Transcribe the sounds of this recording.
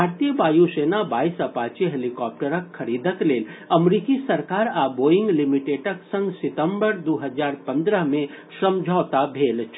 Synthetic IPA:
bʱaːɾt̪ijəbaːjuseːnabaːisɐpaːt͡ʃiɦelikɔːp̚ʈəɾəkʰːɐɾiːd̪ʱəkleːlɐmɾiːkisɐɾkaːɾaːboːjɪ̃ŋɡlɪmiʈeːʈəksə̃ŋɡsɪt̪ə̃mbəɾd̪oːɦəzaːɾpɐ̃nd̪ɾəɦmẽ | ʃɾɐmd͡ʒʱɔːt̪abʱeːlt͡ʃʰ

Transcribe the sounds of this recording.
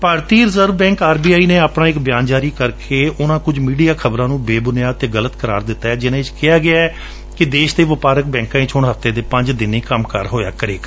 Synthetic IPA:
paːɾt̪iːɾɪzəɾʋbɛ̃ːŋkaːɾbiːaːiːnẽːaːpɽãːɪkbɪjãːnd͡ʒaːɾiːkəɾkʰeːʔʊnãːkʊd͡ʒmiːɖijaːkʰəbɾãːnũːbeːbʊnɪjaːt̪eːɡələt̪kəɾa̰ːɾd̪ɪt̪ːaːɛːd͡ʒɪnãːɪt͡ʃkɪjaːɡɪaːɛ | kɪd̪eːʃd̪eːʋəpaːɾək̚bɛ̃ːŋkãːĩːt͡ʃʰʊɳɦəft̪eːd̪eːpə̃ɲd͡ʒd̪ɪnĩːkəmkəɾɦoːja̰ːkəɾḛːk

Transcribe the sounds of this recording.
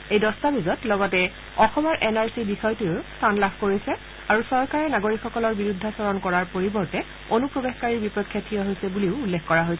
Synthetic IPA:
ejdɔstabizɔtlɔɡɔtɛ | ɔxɔmɔɹʔɛnaɹsibixɔjtuʊstʰanlabʰʱkoɹisɛ | aɹusɔɹkaɹɛnaɡoɹikxɔkɔlɔɹbiɹudʱːasɔɹɔnkɔɹaɹpoɹibɔɹtɛ | onupɹɔbexkaɹiɹbipɔkʰjatʰijɔɦojsɛbuliʊːlːekkɔɹaɦojsɛ

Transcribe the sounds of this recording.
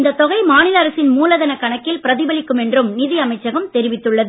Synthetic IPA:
nd̪ɐt̪ːɔɣɐɪmaːnɪlɐːɾɐsɪnmuːlɐðɐnɐkːɐɳɐkːɪlpɪɾɐðɪbɐlɪkːɯmɛndrɯmnɪðɪjɐmɐɪt͡ʃːɐɣɐmt̪ɛɾɪʋɪt̪ːɯɭːɐðɯ

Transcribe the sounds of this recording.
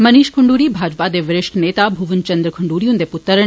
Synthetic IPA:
mɐniːʃkʰʊɳɖuːɾiːbʱaːd͡ʒpad̪eːʋɪɾɪʃʈʰneːt̪abʱuʋənt͡ʃɐ̃nd̪ɾəkʰɐɳɖuːɾijũnd̪epʊt̪ːəɾə

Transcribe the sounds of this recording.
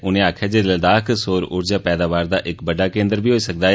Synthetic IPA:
ʊnẽːaːkʰjaːd͡ʒeləd̪aːksoːɾʊɾd͡ʒaːpɛːd̪aːʋaːɾd̪aːʔɪkbəɖaːkẽːnd̪əɾbiːɦoːiːsək̚d̪aːɦɛ

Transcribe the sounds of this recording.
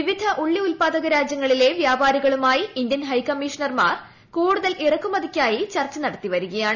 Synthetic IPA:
ʋiʋid̪ʱɐʔuɭːiulpaːd̪ɐɣɐɾaːd͡ʑjɐŋːɐɭile̞ʋjaːbaːɾiɣɐɭumaːjiind̪jɐnɦɐjkɐmːiʂɐɳɐrma̰ːr | kuːɽuðɐlʔirɐkːumɐd̪ikʲːaːjit͡ɕɐrt͡ɕːɐnɐɽɐt̪ːiʋɐɾuɣɐjaːɳɨ

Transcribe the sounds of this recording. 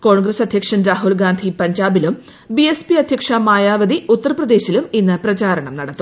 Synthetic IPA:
ko̞ːɳɡɾɐsɐd̪ʱjɐkʂɐnɾaːɦulɡaːnd̪ʱipɐɲd͡ʑaːbilum | biespiɐd̪ʱjɐkʂɐmaːjaːʋɐd̪iut̪ːɐrɐprɐd̪e̞ːɕiluminːɨprɐt͡ɕaːɾɐɳɐmnɐɽɐt̪ːu

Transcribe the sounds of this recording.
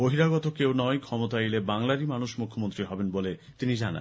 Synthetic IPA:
boɦiɾaɡɔt̪okewnɔekʰɔmot̪aelebaŋlaɾimanuʃmukʰːomont̪ɾiɦɔbenbolet̪inid͡ʑana̰

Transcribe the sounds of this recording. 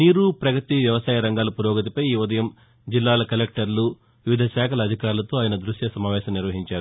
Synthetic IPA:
niːɾupɾɐɡɐt̪iʋjɐʋɐsaːjɐɾɐŋɡaːlɐpuɾɔːɡɐt̪̬ipɐjiːʋud̪ɐjɐm | d͡ʒilːaːlɐkɐlek̚ʈɐɾlu | ʋiʋid̪ʱɐʃaːkʰɐlɐːd̪ʱikaːɾulɐt̪o̞ːaːjɐnɐd̪ɾuʃjɐsɐmaːʋɛːʃɐmniɾʋɐɦiɲt͡ʃaːɾu

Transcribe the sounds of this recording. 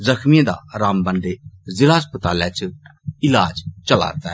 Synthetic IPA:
zəkʰmiẽd̪a̰ɾaːmbə̃nɖ̪ezɪlaːspət̪aːlɛt͡ʃɪlaːd͡ʒt͡ʃəla̰ːɾt̪aɛː

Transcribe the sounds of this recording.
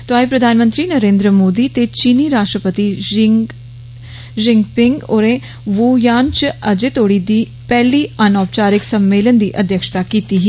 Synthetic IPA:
t̪oaːipɾəd̪ʱaːnmə̃nt̪ɾiːnəɾẽːnd̪ɾəmoːd̪iːt̪et͡ʃiːniːɾaːʃʈɾəpət̪i | d͡ʒɪŋɡpɪŋɡoːɾẽ | ʋoːjaːnt͡ʃəd͡ʒeːt̪oːɽid̪iː | pɛːliːənɔːp̚t͡ʃaːɾɪksəmːeːlənd̪iːʔəd̪ʱjəkʃt̪aːkiːt̪iɦi

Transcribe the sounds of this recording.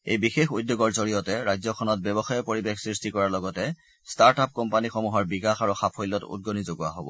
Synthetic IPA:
ḛjbixexujdjoɡɔɹzoɹijɔtɛɹajzɔkʰɔnɔt̚bɛbɔxajɔpoɹibexsɹistikɔɹaɹlɔɡɔtɛ | staɹtap̚kɔmpanixɔmuɦɔɹbikaxaɹuxapʰojlːɔtṵd̚ɡonizoɡua̰ɦobɔ̰

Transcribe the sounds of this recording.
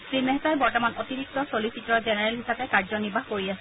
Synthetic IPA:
sɹimɛɦzaɹbɔɹtɔmanotiɹik̚tɔsolisitːɹɔɹzɛnɛɹɛlɦisapɛkaɹzɔniɹbʱaɦkoɹiasɛ

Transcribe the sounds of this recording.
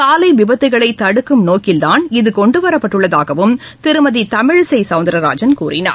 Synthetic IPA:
t̪aːlɐɪʋɪbɐt̪ːɯɣɐɭɐɪt̪ːɐɽɯkːɯmnoːkɪld̪aːnɪðɯkɔɳɖɯʋɐɾɐpːɐʈːɯɭːɐðaːɣɐʋɯm | t̪ɪɾɯmɐðit̪ɐmɪɻsɐɪsɐʋnd̪ɐɾɐɾa̰ːd͡ʒɐnkuːrʔɪna̰ːɾ

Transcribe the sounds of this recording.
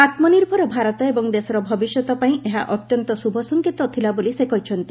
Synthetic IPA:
at̪mɔniɾbʱɔɾɔbʱaɾɔt̪ɔebɔŋd̪esɔɾɔbʱɔbisjɔt̪ɔpaĩeɦa̰ʔɔt̪jɔnt̪ɔsubʱɔsɔŋkit̪ɔt̪ʰilabolisekɔɦit͡ʃʰɔnt̪i̥

